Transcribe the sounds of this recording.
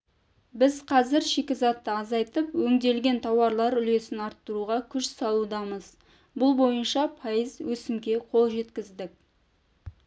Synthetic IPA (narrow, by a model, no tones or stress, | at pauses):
bɪzqʰɑzɪɾʃe̞kʲɪzɑt̪ːəɑzɑjt̪əpwɵŋd̪e̞lɡʲe̞nt̪ʰɑwɑɾlˠɑɾʏle̞sɪnɑɾt̪ːəɾuʁɑkʲʰʏʃsɑlˠud̪ɑməz | bʊlˠbo̞jənʃɑpʰɑjəzwɵsɪmkʲe̞qʰo̞lˠʒe̞t̪kʲɪzd̪ɪk̚